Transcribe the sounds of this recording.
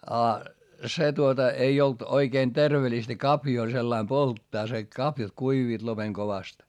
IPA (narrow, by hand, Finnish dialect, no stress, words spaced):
ɑ se tuotɑ ei olt oikeːn terʋelistæ kɑpjoː selːɑim poltːɑː se kɑpjɑt kuiʋiːt lopeŋ koʋɑst